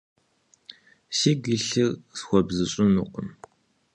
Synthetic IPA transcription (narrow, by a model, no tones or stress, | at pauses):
siːɡiɬɨrsxʷɔbzɨɕʼɪnuːqʼəm